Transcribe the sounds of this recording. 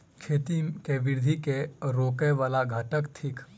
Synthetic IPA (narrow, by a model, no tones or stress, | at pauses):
kʰeːt̪ikeʋɪɾd̪ʱikeɾoːkɛẽʋaːlaɡʱaːʈəkt̪ʰɪk